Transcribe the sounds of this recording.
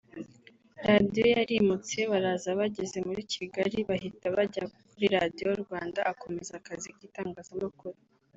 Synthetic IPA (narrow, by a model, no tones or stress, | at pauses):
ɾadijo̞jaɾimut͡se̞βaɾazaβaɟe̞ze̞muɾicʰiɡaɾiβahitaβaɟakuɾiɾadijooɾɡwaːndaako̞me̞zakazikɡiːtaːŋɡaːzamakuɾu